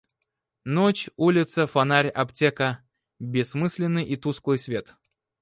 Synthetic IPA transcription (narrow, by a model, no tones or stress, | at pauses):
not͡ɕulʲɪt̪səfɐnaɾʲɐptʲekə | bʲɪsːmɨsʲlʲɪnːɨjʔit̪usklˠɨjsʲvʲe̞t̪